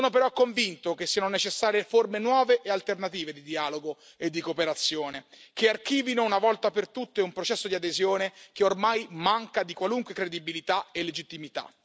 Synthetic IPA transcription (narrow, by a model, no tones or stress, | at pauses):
oːnopeɾɔkːoɱvint̪ok̟esːiːanonet͡ʃesːaːɾjeformenwɔːveʔealt̪ernat̪iːved̪id̪iaːloɡo | ed̪ːikopeɾat̪sːjoːnekeark̟iːvinounavɔlt̪apert̪ut̪ːeumpɾot͡ʃɛsːod̪iad̪ezjoːnek̟eormajmaŋkad̪ikwaluŋkwekɾed̪ibilit̪aelːed͡ʒit̪ːimit̪a̰